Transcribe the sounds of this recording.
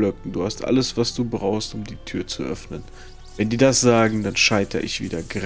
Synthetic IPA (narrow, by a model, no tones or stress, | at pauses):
lœkŋ̩duːhastʔa̰ləsv̥asd̥uːbʁaʊxstʊmdiːtʰyːɐt͡suʔœ̰fnən | vɛndiːdasz̥aːɡŋ̩danʃaɪtʰɐ̰ʔɪ̰çv̥ḭːdɐɡʁ